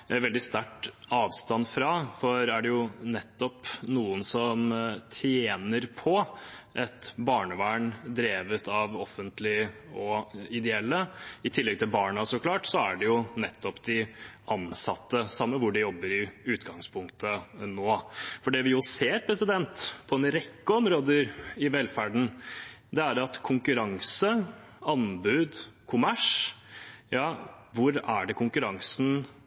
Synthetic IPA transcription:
ʋɛld̪ɪst̪æʈːɑːʋst̪ɑnfɾɑfɔɾæɖɛjʊnɛt̪ːɔpnuːənsɔmt̪ʰjeːnəɾpʰɔʔɛt̪bɑːɳəʋæːɳd̪ɾeːʋət̪ʰɑʋɔfənt̪lɪɔɪd̪ɛɛlːəɪt̪ʰɪlːɛɡ̚t̪ʰɪlbɑːɳəsɔklɑːʈsɔæɖɛjʊnɛt̪ːɔpd̪ɪʔɑnsɑt̪ːəsɑmːəʋʊɖɪjɔbːəɾɪʉːt̪ɡɑŋspʰʊŋkt̪ʰənoːfɔɖɛʋɪjʊseːɾpʰɾɛsɪd̪ɛnt̪pʰɔɛnɾɛkːəɔmɾoːd̪əɾɪʋɛlːfæɖɳ̩d̪ɛæɾɑt̪kʰʊŋkʉɾɑŋsə | ɑnbʉːd̪kʰʊmæʂ | jɑːʋʊɾæɖɛkʰʊŋkʉɾɑŋsn̩

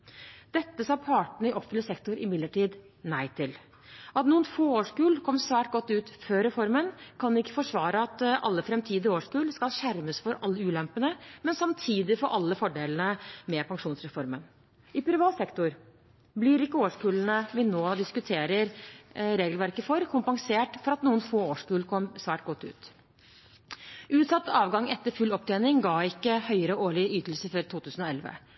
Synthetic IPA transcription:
d̪̥ɛt̪ːəsɑːpʰɑːʈɳ̩əɪʔɔpfʏləsɛkt̪ʊɾʔɪmɪd̪lːəʈiːd̪ | næɪt̪ʰɪl | ʔɑt̪nuːənfoːoːʂkʉːlkʰɔmːsʋæːʈ̚ɡɔt̪ːʉːt̪føːɾɛfɔɾmənkʰɑnɪkːə̥fɔʂʋɑːɾəɑt̪ɑ̰lːəfɾɛmt̪ʰiːd̪əɾoːʂkʉːlskɑlɕæɾməsfɔɾɑlːəʉːlɛmpənəmɛnsɑmt̪ʰiːd̪ɪfɔɾʔɑlːəfɔɖeːlnəmɛpʰɑŋʂuːnsɾɛfɔɾmən | ɪpʰɾɪʋɑːt̪sɛkt̪ʊɾ | blɪɾɪkːəoːʂkʉːlənəʋɪnoːd̪ɪskʉt̪ʰeːɾəɾɾeːɡəlʋæɾkəfɔɾkʰʊmpɑŋseːʈfɔɾɑt̪nuːənfoːoːʂkʉːlkʰɔmsʋæːʈ̚ɡɔt̪ːʉ̰ːt̪ | ʔʉːt̪sɑt̪ːɑːʋɡɑŋːɛt̪ːəɾfʉlɔp̚ːd̪eːnɪŋɡɑːɪkːəhœʏəɾəɔoːɭɪyːt̪əlsəfɔɾt̪ʰuːt̪ʰʉːsn̩ɔɛlʋə̰

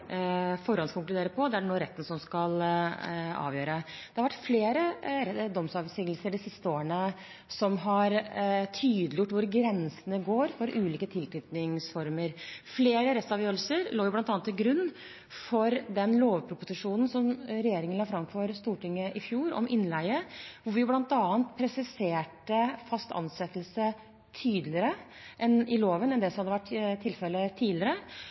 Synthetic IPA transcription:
fɔɾɔnskʰʊŋklʉd̪eːɾəpʰɔd̪ɛæɛnoːɾɛt̪ːən̩sɔmskɑl | ɑ̰ːʋjøːɾəd̪̥ɛhɑɾʋæʈːfleːɾəd̪ɔmsɑːʋəsiːɡəl̩səɖɪsɪst̪əoːɾəɳə | sɔmɦɑɾt̪ʰyːd̪lɪjʊʈːʋʊɾɡɾɛnsənəɡoːɾfɔɾʔʉːliːkət̪ʰɪlt̪ʰɾʏt̪nɪŋsfɔɾməɾfleːɾəɾɛst̪ɑʋjøːɾlsəɾloːɾjʊblɑnt̪ɑːnt̪ʰːɪɡɾʉnː | fɔɾd̪ɛnloːʋpʰɾʊpʊsɪʂuːnn̩sɔmɾɛjeːɾɪŋənlɑːfɾɑmfɔɾst̪uːʈɪŋːəʔɪfjuːɾɔ̰mʔɪnlæɪəʋʊʋɪjʊblɑnt̪ɑːənt̪pʰɾɛsɪseːʈəfɑst̪ɑ̰nsɛt̪ːəlsə | t̪ʰyːd̪lɪəɾə | ʔɛnɪloːʋənɛnd̪ɛsɔmhɑd̪ːəʋæʈːt̪ʰːɪlfɛlːət̪ʰiːdlɪəɾə

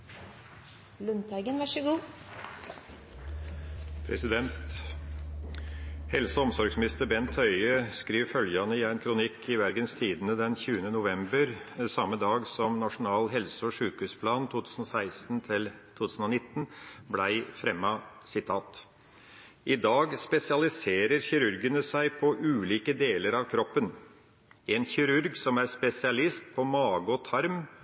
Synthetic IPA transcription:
lʉnt̪ɑɡənʋæʃəɡuː | pʰɾɛ̰sɪd̪ɛnt̪ | hɛlsɔɔmsɔɾɡsmɪnɪst̪əɾbɛnt̪ʰœʏəskɾiːʋfœljɑnəɪæɪnkʰɾʊnɪkʰːɪʋæɾɡənst̪ʰiːd̪nəd̪ɛnçʉːənənʊʋɛmbəɾsɑmːəd̪ɑːɡsɔmnɑʂʊnɑːlɦɛlsɔʂʉːkʉːspʰlɑːnt̪ʰuːt̪ʰʉːsn̩ɔsæɪst̪n̩t̪ʰɪlt̪ʰuːt̪ʰʉːsn̩ɔnɪt̪ːənblæɪfɾɛmːɑ | sɪt̪ʰɑːt̪ | ʔɪd̪ɑːɡspɛsɪɑlɪseːɾəɾçɪɾʉɾɡənəsæɪpʰɔʔʉːliːkəd̪eːləɾɑʋkʰɾɔpːən | ʔɛnçɪɾʉɾɡsɔmæɾspɛsɪɑlɪst̪̚pʰɔmɑːɡəɔt̪ʰɑɾm

